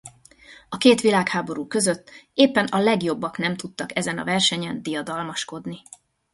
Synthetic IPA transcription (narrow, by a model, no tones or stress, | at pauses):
ɒkeːt̪ʋilaːkhaːbo̞ɾuːkø̞zøt̪ːeːpːɛnɒlɛɡjo̞bːɒkn̪ɛmt̪ut̪ːɒkɛzɛnɒ̰vɛrʃɛɲɛnd̪ijɒd̪ɒlmɒʃko̞d̪ni